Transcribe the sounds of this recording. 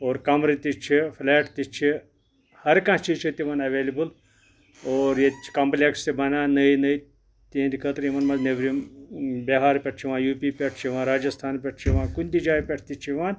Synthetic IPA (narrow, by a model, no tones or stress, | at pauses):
oːɾkɐmɾit̪it͡ʃʰifʰleːʈt̪it͡ʃʰi | hɐɾkãt͡ʃit͡ʃʰit̪iʋɐnɐʋeːlibɨl | oːɾjet͡ʃkɐmplekst̪ibɐnaːnɐinɐi | t̪ĩnd̪ikʰɐt̪ɾjimɐnmɐzneʋɾimbeɦaːɾpʲeʈʰt͡ʃʰiʋãːjuːpiːpʲɐʈʰt͡ʃʰiʋãːɾaːd͡ʒɐst̪ʰaːnpʲɐʈʰt͡ʃʰiʋãːkunʲt̪id͡ʒaːipʲɐʈʰt̪it͡ʃʰiʋãːn